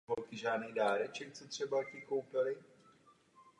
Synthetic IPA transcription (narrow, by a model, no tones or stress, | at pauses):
ɦolkɪʒaːdnɛjdaːɾɛt͡ʃɛkt͡sɛt̪r̝̥ɛbacɪkowpɪlɪ